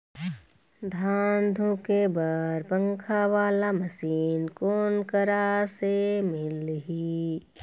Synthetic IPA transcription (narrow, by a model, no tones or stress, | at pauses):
d̪ʱaːnd̪ʱukebaːɾpə̃ŋkʰaʋaːlamɐsiːnkoːnkəɾasemɪlɦi